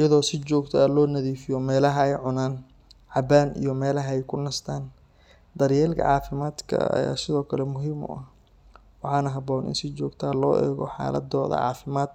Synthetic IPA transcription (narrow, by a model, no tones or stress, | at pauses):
ɪjɐðɔːsɪt͡ʃɔːɡt̪ʰɔɐlɔːnɐðiːfɪjɔmɛːlɐɦɐɛjʕʊnaːn | ʕɑbaːnḭjɔmɛːlɐɦɐɛjkʰʊnɐst̪ʰaːn | d̪ɐɾjɛːlkʰɐ̰ʕɑːfɪmaːd̪kʰɐ̰ɐ̰ja̰ːsɪðɔːkʰɐlɛmʊɦiːmʊ̰ʔɐh | wɑħɑːnɐɦɐbɔːnɪ̰nsɪt͡ʃɔːɡt̪ʰːlɔːʔɛ̰ːɣɔħɑ̰ːlɐ̰d̪ɔːðɐ̰ʕɑ̰ːfɪmaːd̪